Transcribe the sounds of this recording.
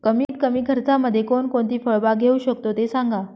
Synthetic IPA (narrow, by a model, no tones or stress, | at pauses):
kəmiːt̪̚kəmiːkʰəɾt͡saməd̪ʱːjekoɳkoɳt̪iːfəɭbaɡʱeuɕəkt̪ot̪esaŋɡa